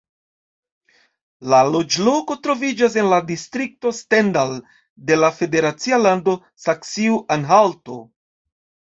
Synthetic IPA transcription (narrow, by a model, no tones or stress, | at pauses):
lalo̞d͡ʒlo̞ko̞tɾo̞vid͡ʒas̬e̞nladistɾik̚to̞stendal | de̞lafe̞de̞ɾat͡sialando̞ | saksiuʔanɦalto̞